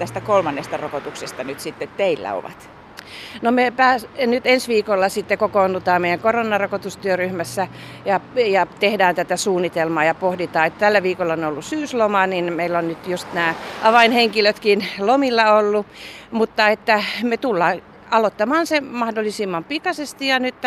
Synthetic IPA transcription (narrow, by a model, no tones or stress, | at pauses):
t̪æst̪ækolmɑnːest̪ɑrokot̪uksest̪ɑnyt̪sit̪ːett̪eilːæ̰o̰ʋɑ̰t̪ | nomepæːsnyt̪ensʋiːkolːɑsit̪ːekokounːut̪ɑːmmeijæŋkoronːˑɑrokot̪ust̪yøryhmæsːæ | jɑjɑt̪ehdæːnt̪æt̪æsuːnːit̪elmɑːjɑpohdit̪ɑːet̪t̪ælːæʋiːkolːɑonolːussyːslomɑninmeilːonnyt̪just̪næːʔɑʋɑinheŋkiløt̪kinlomilːɑolːumut̪ːɑet̪ːæmet̪ulːɑː | ɑlot̪ːɑmɑːnsemɑhdolːˑisimːɑmpikɑsest̪ijɑnyt̪ː